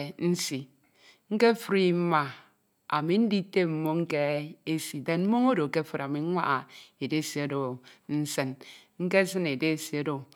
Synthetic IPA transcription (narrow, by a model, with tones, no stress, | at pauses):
n̩˦si˨ | ŋ̩˦ke˦fɾi˦m̩˦ma˨ | a̰˨mi˨n̩˦di˦te˦m̩˦mo˦ŋ̩˦ke˦e˦si˨de˨nm̩˦mo˦ŋo˦do˨ke˦fɨ˦ɾa˨mi˨˦ŋʷa˦ʔa˨e˨de˦˨si˨˦o˦do˨n̩˦sɨ˦nŋ̩˦ke˦s̬ɨ˦ne˨de˦˨si˨o˦do˨